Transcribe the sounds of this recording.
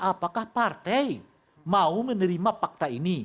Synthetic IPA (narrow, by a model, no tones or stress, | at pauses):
apakahpart̪ɛi | maumənəɾimapak̚t̪aini